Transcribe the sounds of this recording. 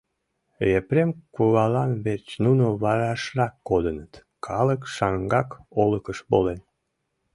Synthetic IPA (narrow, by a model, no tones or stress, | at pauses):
epɾemkuβɑlɑnβert͡ɕnunoβɑɾɑʃrɑkːod̪ənət̪ | kʰɑləkʃɑŋɡɑkoləkəʃbolen